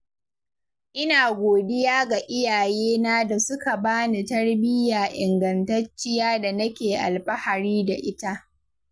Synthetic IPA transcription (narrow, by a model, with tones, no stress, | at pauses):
ʔɪ˦naː˨ɡʷoː˨dɪ˦jaː˦ɡa˨ʔɪ˦jaː˨jeː˦naː˦da˨sʊ˦ka˨baː˦ne˨tɐ˦rbɪ˦jaː˨ʔɪ˨ŋɡɐ˨ntɐ˦t͡ʃːɪ˦jaː˦da˨nɐ˦kʲeː˨ʔa̰˨lɸɐ˦ha˨ɾiː˦da˨ʔɪ˦ta˦ʔ